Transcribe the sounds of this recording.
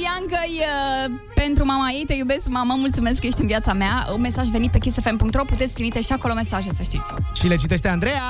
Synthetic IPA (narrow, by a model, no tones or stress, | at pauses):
jaŋkəjə | pe̞nt̪ɾumamaje̞jt̪ejube̞skmaməmult̪sume̞skːəje̞ʃt̪ɨnvjat̪sameame̞saʒveit̪̚pe̞kist̪efempuŋkt̪ɾo̞put̪et̪sʲkt̪ɾivit̪eʃiako̞lo̞me̞saʒesəʃt̪it̪sʲʃile̞t͡ʃit̪e̞ʃt̪eand̪ɾe̞ja